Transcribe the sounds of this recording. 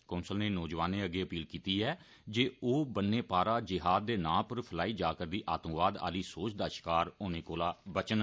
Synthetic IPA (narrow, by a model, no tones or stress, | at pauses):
kɔ̃ːnsəlneːnɔːd͡ʒʋaːnẽːəɡeːəpiːlkiːt̪iːɛː | d͡ʒeːoːbənːeːpaːɾaːd͡ʒɪɦaːd̪̚ːeːnãːpəɾpʰəlaːiːd͡ʒaːkəɾd̪iːʔaːt̪ə̃mʋaːd̪a̰ːliːsoːt͡ʃd̪aːʃɪ̥kaːɾoːnẽːkoːlaːbət͡ʃən